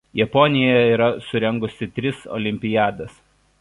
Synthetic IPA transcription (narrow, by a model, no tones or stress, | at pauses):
jɛpɔnʲɪjɛiːɾɐsʊɾʲɛŋɡʊsʲɪt̪ʲɾʲɪsɔ̰ːlʲɪmʲpʲɪjæːd̪ɐs